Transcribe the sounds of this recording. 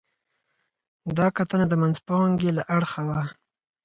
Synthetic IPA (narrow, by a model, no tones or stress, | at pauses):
d̪ɑkat̪ənad̪əmanzpaŋɡelaʔaɽxawa